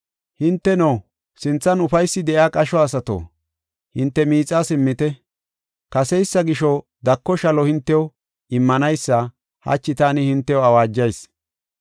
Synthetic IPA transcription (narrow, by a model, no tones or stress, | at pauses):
hɪnt̪ːɛno | sɪnt͡sːɐnʊfɐjsːɪd̪ɛʔjaːkʼɐʃɔɐsɐt̪o̰ː | hɪnt̪ːɛmiːt͡sʼːasɪmːɪt̪ɛ | kɐsɛjsːɐɡɪʃɔ | d̪ɐkːɔʃɐlɔhɪnt̪ːɛjo | ɪmːɐnɐjsːɐ | hɐ̰t͡ʃːɪt̪aːnɪhɪnt̪ːɛoɐwaːd͡ʒːɐjs